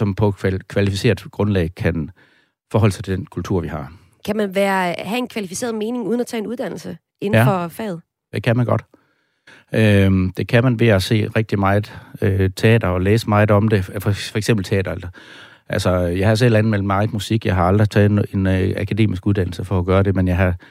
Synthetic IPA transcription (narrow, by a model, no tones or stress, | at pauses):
sɒ̽mpʰɒ̽kʰʋælifise̝̰ːɐðˠɡ̥ʁɔ̽nlɛɪkʰæn | fɒːɦɒ̽l̰sʰed̥enkʰult͡sʰuɐ̰ʋihɑ̈ | kʰæmænʋæːɐɦæe̝nkʰʋælifi̥se̝̰ːɐð̩ˠme̝ːnɪ̝ŋuð̞ˠnæt͡sʰɛ̰ːnuð̞ˠd̥ænl̩sə | e̝n̩fɒfɛ̰ːð̞̩ˠ | d̥e̝kʰæmænɡ̥ɒ̽d̥ | ʔød̥e̝kʰæmænʋe̝æse̝̰ːʁɛɡ̥̚d̥imɑ̈ɪð̩ˠøt͡sʰe̝ɛ̰ːd̥ɐɒ̽leːsəmɑ̈ɪð̩ˠɒ̽md̥e̝ffɒ̽eɡ̥semb̥l̩t͡sʰeɛ̰ːd̥ɐelɐ | ʔælsɒjɑ̈ɪhɑs̬el̰ænð̩mel̰d̥mɑ̈ɪmusiɡ̥jɑ̈ɪɦɑ̈ɑ̈ld̥ʁit͡sʰɛːð̩ˠe̝nækʰæde̝̰ːmisɡ̥uð̞ˠd̥æn̰l̩səfɒ̽ɒɡ̥ɶːɐɾ̥e̝menjɑɪɦɑ̈